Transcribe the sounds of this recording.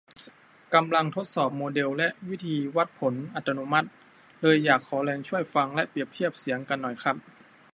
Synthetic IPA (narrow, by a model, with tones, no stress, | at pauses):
ka˧mla˧ŋt̪ʰo˧˦˥t̪̚sɔː˨˩p̚moː˧de˧wlɛ˧˥ʔwi˦˥˨t̪ʰiː˧wa˧˥˩t̪̚pʰo˩˦nʔa˧˩t̪̚ʰːa˧nu˧˥ma˧˥˩t̪̚ | lɤː˧jːaː˨˩kʰːɔː˩˦lɛː˧ŋt͡ɕʰu˥˩əjfa˧ŋlɛ˦˧˥ʔpi˨˩əp̚t̪ʰi˦˥˩əp̚si˨˩˦əŋka˧nːɔ˨˩jxʰa˦˥p̚